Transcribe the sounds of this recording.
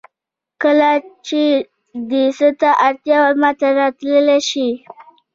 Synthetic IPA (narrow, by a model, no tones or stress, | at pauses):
kəlat͡ʃe | d̪isət̪aʔaɾt̪jɑwaɾmat̪aɾɑt̪ləleʃi